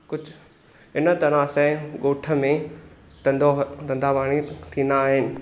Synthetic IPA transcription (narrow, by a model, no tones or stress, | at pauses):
kʊd͡ʑʱ | ɪnət̪ɐɽ̃aːsɛɠoːʈʰə̆mẽ | t̪ɐ̃nd̪ot̪ɐ̃nd̪ʱaːʋaːɽ̃it̪ʰĩːnd̪aːɦɪnɪ̆